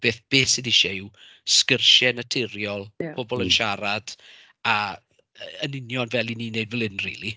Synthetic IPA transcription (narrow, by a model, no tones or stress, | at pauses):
b̥eːθb̥eːsidiʃɛɪw | skərʃɛnətʰɪɾjɔlˠb̥ɔbɔlˠənʃaɾad̥ | a | əənɪnjɔnvɛlˠiniːneɨdvəlˠɪnrḭːlˠi